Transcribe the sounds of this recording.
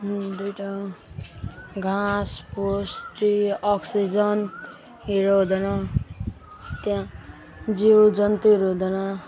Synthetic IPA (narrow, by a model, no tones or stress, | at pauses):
d̪ujʈa | ɡʱãsposʈiʌksid͡zʌn | iɾoɦud̪ʌnʌ | t̪jã | d͡ziwd͡zʌnt̪iiɾoɦd̪ʌnʌ